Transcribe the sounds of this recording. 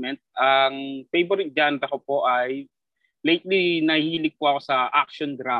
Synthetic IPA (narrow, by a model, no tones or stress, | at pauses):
mɛnt̪̚ʔɐŋpejboɾɪk̚d͡ʒant̪ɐkopo̞ʔaj | lejt̪̚linɐhiːlɪɡ̚poɐko̞sɐʔak̚ʃond̪ɾaː